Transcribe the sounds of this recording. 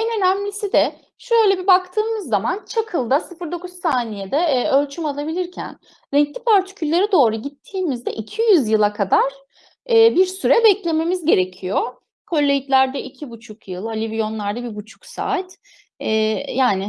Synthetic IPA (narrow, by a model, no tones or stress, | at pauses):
ɛnø̞næmlʲisid̪ɛ | ʃuøjlʲebibakt̪ʰɯːmɯzːamant͡ʃʰakʰɯlˠd̪asɯfɯɾd̪o̞kuzsaːnijed̪ɛølʲt͡ʃʰymalˠabilʲiɾcʰæ̰n | ɾɛɲclʲipʰaɾt̪ʰi̥cʰylʲːeɾid̪o̞ːɾuɟit̪ʰːiːmizd̪ɛʔicʰijyzjɯlˠakʰad̪aɾ̥ | ɛːbiɾsyɾɛbɛclʲe̞me̞mizɟe̞ɾecʰijo̞ | kʰo̞lʲːejit̪lʲæɾd̪ɛʔicʰibut͡ʃʰukjɯlˠalʲivijo̞nlˠaɾd̪abibut͡ʃʰu̥ksa̰ːt̪ | ɛːjaːnɪ